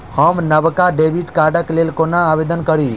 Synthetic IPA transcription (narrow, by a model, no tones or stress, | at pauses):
həmnəʋkaɖebiʈkaɖəklelkonaːʋed̪ənkəɾi